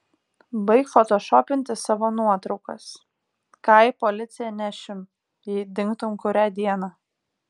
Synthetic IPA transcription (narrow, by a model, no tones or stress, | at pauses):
bɐɪkfɔt̪oːʃɔːpʲɪnʲt̪ʲɪsɑʋoːnuɔt̪ɾɒʊkɐ̰s | kɑɪpolʲɪt̪sʲɪjɛnʲæʃʲɪm | jid̪ʲɪŋkt̪ʊmkʊɾʲæːd̪ʲiɛnɑ